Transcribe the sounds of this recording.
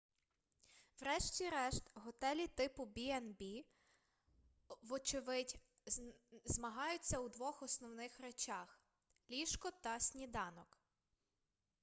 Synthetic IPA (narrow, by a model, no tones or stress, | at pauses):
wɾɛʃtʲiɾɛʃt̪ɦɔt̪ɛlʲit̪ɪpʊbʲiɛnbʲi | ʋɔt͡ʃɪʋɪtʲ | zmɐɦɑjʊt͡sʲːɐwd̪ʋɔxɔsnɔwnɪxɾet͡ʃɑx | lʲiʃkɔt̪ɐsʲnʲid̪ɑnɔk